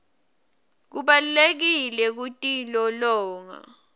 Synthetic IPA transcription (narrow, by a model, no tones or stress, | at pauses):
k̬uɓalulek̬ilɛk̬utʼilɔlɔːŋa̰